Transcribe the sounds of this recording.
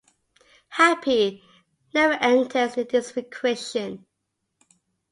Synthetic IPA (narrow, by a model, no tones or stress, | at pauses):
hæpʰi | nɛvəʔɛ̃ntʰəzðɪsɹɪkʰɹɛsə̃n